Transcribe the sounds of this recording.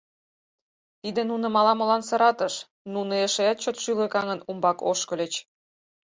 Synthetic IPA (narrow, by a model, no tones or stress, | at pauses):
t̪id̪enunɤ̆mɑlɑmŏlɑnsɤ̆ɾɑt̪əʃ | nunoeʃeæt̪̚t͡ɕot̪ʃylĕkɑŋənumbɑkoʃkɤ̆lʲet͡ɕ